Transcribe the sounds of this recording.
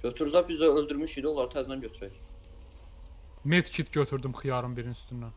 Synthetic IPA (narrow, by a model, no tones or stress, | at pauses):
ɟøt̪ʰyɾd̪æbizæølˠd̪yɾmyʃid̪iolˠɑɾt̪ʰæznænɟøt̪ʰyɾæj | met̪cʰit̪ɟøt̪ʰyɾd̪ymxijɑɾɯmbiɾinyst̪ynːæn